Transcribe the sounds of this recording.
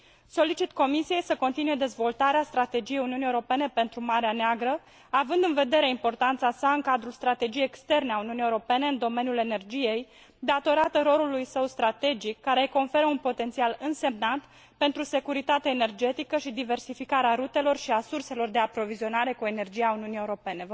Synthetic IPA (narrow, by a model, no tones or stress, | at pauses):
so̞lit͡ʃit̪ko̞misije̞jsəko̞nt̪inuje̞d̪e̞zvo̞lt̪aɾeast̪ɾat̪e̞d͡ʒije̞juniunijewuɾo̞pe̞ne̞pe̞nt̪ɾumaɾeaneaɡɾə | avɨnd̪ɨnve̞d̪e̞ɾe̞impo̞rt̪ant̪sasaɨŋkad̪ɾulst̪ɾat̪e̞d͡ʒijejekst̪e̞rneauniunijewɾo̞pe̞ne̞ɨnd̪o̞me̞nʲjulene̞rd͡ʒije̞j | d̪at̪o̞ɾat̪əɾo̞lulujsəwst̪ɾat̪e̞d͡ʒikːaɾe̞ko̞nfe̞ɾəunpo̞t̪e̞nt̪sialɨnse̞mnant̪ | pe̞nt̪ɾuse̞kuɾit̪at̪eaene̞rd͡ʒe̞t̪ikəʃid̪ive̞rsifikaɾeaɾut̪e̞lo̞rʃiasurse̞lo̞rd̪e̞apɾo̞vizio̞naɾe̞kue̞ne̞rd͡ʒijauniunijewuɾo̞pe̞ne̞